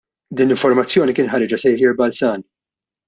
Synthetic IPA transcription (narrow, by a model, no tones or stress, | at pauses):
d̪iːnlɪɱfɔɾmɐt͡sːjɔːnikɪːnħɐɾɪd͡ʒɐsɛjfjɪɾbɐlsɐːn